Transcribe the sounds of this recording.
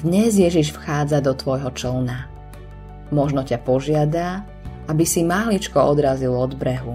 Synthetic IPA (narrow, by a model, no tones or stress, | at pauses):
d̪ɲɛzjɛʒiʃfxaːd͡zad̪ɔt̪ʋɔjɦɔt͡ʃlna | mɔʒnɔcapɔʒɪad̪a | abisimaɦlit͡ʃkɔɔd̪ɾazilɔd̪bɾɛɦu